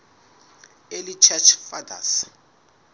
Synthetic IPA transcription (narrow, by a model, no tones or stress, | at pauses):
elit͡ʃʰɛt͡ʃʰfada̰s